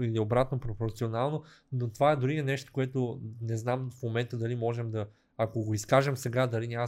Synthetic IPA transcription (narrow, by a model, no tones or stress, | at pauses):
iliobɾat̪nopɾopoɾt̪sionalˠnonot̪ovaɛd̪ʊɾiɛnɛʃt̪o̥koɛt̪onɛznamfmomɛnt̪əd̪ɐlimɔʒɛmd̪ɐ | akoɡoiskaʒɛmsɛɡad̪ɐlinʲa